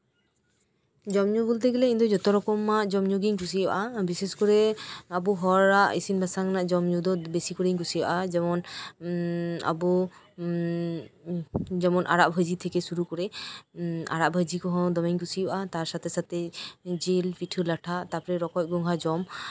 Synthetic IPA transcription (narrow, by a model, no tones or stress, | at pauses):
d͡ʒɔmɲoɡult̪̬eɡilekint̪ud͡ʒɔt̪ɔɾɔkɔmːaʔd͡ʒɔmɲoɡiŋkus̬iba̰ʔabiseskɔɾeabuɦɔɾaʔḭsinbʱasaŋnaʔd͡ʒɔmɲud̪ɔt̪besikoɾiŋkusiba̰ʔad͡ʒɛmɔn | a̰bu | d͡ʒɛmɔnʔa̰ɾaʔbʱajd͡ʑit̪ʰekesuɾukɔɾe | a̰ɾaʔbʱajd͡ʑikɔɦɔ̃d̪ɔmiŋkusibʔat̪aɾsat̪ʰesat̪ʰed͡ʒelpiʈʰulaʈʰat̪aɾpɔɾeɾɔkɔt̚ɡɔŋɦad͡ʒɔm